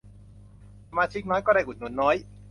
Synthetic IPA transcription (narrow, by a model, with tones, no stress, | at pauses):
sa˧maː˧t͡ɕʰi˦˥k̚nɔː˦˥jkɔː˥˩daː˥˩ʔu˨˩nu˩˦ənːɔː˦˥j